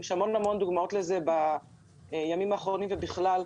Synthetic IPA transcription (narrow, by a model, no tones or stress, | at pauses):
eʃhamo̞nhamo̞nd̪uɡmao̞tlezeba | jamimaːχʁonimvebiχlal